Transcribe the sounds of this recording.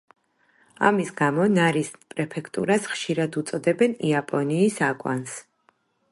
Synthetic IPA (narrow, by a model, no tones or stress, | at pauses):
a̰misɡamɔnaɾispʼɾɛpʰɛkʰt̪ʼṵɾasχʃiɾad̪ut̪sʼɔd̪ɛbɛniapʼɔniːsakʼwa̰ns